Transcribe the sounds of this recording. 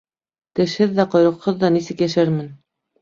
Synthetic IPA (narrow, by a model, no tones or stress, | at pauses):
t̪ɘ̆ʃhɘðːæqŏjɾɤ̆qhɤðːɑnisɘkjæʃæɾmɘn